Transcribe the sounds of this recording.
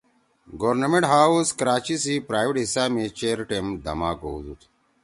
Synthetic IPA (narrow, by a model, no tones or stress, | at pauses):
ɡoːɾnɐmẽɳʈɦaːuskɐɾaːt͡ɕisipɾaːjʋeʈɦisaːmet͡ɕeːɾʈemd̪ɐ̰maːko̰uzut̪ʰ